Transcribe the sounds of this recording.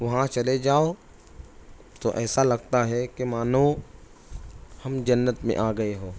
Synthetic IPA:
ʋɐɦãt͡ʃɐled͡ʒaːo | t̪oʔɛːsalɐɡ̚t̪aɦɛkemaːno | hɐmd͡ʒɐnːət̪mḛ̃ʔaːɡɐeɦoː

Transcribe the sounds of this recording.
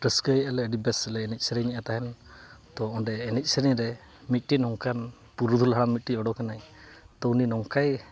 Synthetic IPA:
ʈəskəjalɛɖibɛsəlɛːnɛc̚ˀsəɾɛɲɛʔat̪aɦɛnt̪ɔɔɳɖɛːnɛc̚ˀsəɾɛɾɛ | mit̪̚ˀʈinɔŋkan | puɾud̪ʱulɦaɽamːit̪̚ʈiɔɖɔkanajt̪ɔwninɔŋkaj

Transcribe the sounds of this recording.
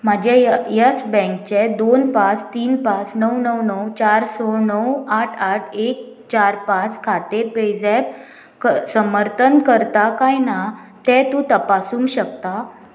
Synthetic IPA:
m̤ad͡ʑejast͡sbɛ̃ŋkt͡ɕed̪onpat͡st̪iːnpat͡snəwnəwnəwt͡ɕaɾsonəwaʈʰaʈʰek̚ | t͡ɕaɾpãt͡skʰat̪eped͡zɛp̚ | kəsəməɾt̪ʰənkəɾt̪akajna | t̪ɛ̃t̪ũt̪əpasuːŋɕəkt̪a

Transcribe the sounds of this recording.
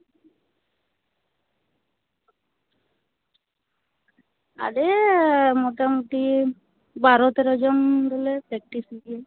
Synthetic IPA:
a̰ɖemɔʈamuʈ̪i | baɾɔt̪eɾɔd͡ʒɔmɾɔlepɾɛk̚ʈise

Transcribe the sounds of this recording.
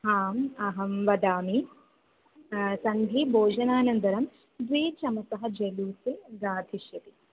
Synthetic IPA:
ɦaːmɐɦɐmʋɐd̪aːmi | sɐnɡ̪ʱibʱoːd͡ʒɐnaːnɐnd̪ɐɾɐm | d̪ʋeːt͡ʃɐmɐsɐɦɐ̆d͡ʒeluːseɡaːt̪ʰiʃjɐt̪i

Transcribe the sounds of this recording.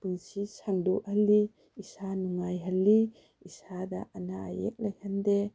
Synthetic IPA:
pɯŋsisaŋduʔhalːi | isanuŋajɦalːi | isada̰ʔanaa̰jḛk̚lajhande

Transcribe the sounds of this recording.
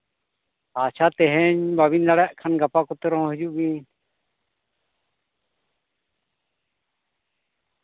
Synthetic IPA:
at͡ʃʰat̪ɛɦɛɲbaβind̪aɽaʔkʰanɡapakɔt̪ɛɾɔɔ̃ɦɛd͡ʒuʔɡiɲ

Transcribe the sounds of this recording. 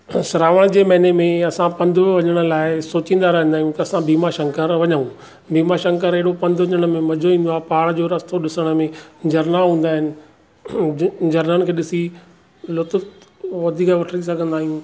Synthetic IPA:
sɪɾaːʋəɽ̃d͡ʑeːmɐɪnemẽɐsãpɐ̃nd̪ʱʊʋɐɲəɽ̃ə̆laːɪsoːt͡ɕĩːnd̪aɾɐɦə̃nd̪aːijũt̪ɐɐsãbiːmaʃɐ̃ŋkəɾʋɐɲəũ | biːmaʃɐ̃ŋkəɾeɦɪɽopɐ̃nd̪ʱʋɐɲəɽ̃əmẽmɐd͡ʑʱoĩːnd̪oaːpaːɽd͡ʑoːɾɐst̪oɗɪsəɽ̃əmẽd͡ʑɐɾnaɦũːnd̪aːɦɪnɪ̆ | d͡ʑɐɾnənɪ̆kʰeːɗɪsi | lʊt̪ʊfʋɐd̪ʱiːkaʋɐʈʰəɾisɐɡʱə̃nd̪aːɦijũ

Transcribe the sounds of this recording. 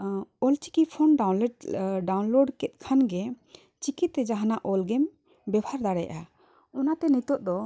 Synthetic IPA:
ɔlt͡ʃi̥kipʰɔnɖawnlɛɖɖawnloɖkɛt̪̚kʰanɡɛ | t͡ʃikit̪ːɛd͡ʒaɦanaʔɔlɡem | bɛbʱaɾd̪aɽɛjaʔa | ɔnat̪ɛnit̪ɔʔ̚d̪ɔ

